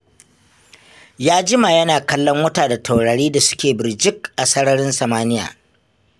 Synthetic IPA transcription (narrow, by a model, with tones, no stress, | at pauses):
jaː˦d͡ʒɪ˦ma˨jɐ˦naː˨kɐ˦lːɔ˦ŋwɐ˦taː˨da˨tʰa˨wɽa˨ɽiː˦da˨sʊ̥˦kʲeː˨bɪ˨ɾd͡ʒɪ˦kʔa˨sɐ˦ɽɐ˦ɽɪ˦nsɐ˨maː˦nɪ˦ja̰ː˨